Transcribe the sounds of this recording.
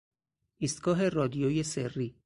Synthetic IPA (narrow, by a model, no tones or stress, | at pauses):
ʔiːst̪ɡ̥ɒːɦe̞rɒːd̪ijoːjeserːiː